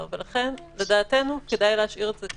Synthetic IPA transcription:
velaχe̞n | ledaːte̞nuke̞dajleɦaʃʔiʁetze

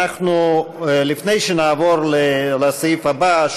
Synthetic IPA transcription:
aχnulifne̞jʃenaːvo̞ɾlelasjifabaʃ

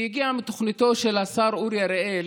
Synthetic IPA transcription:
iɡiamit̪oχnit̪o̞ʃelasaɾuɾjaɾeel

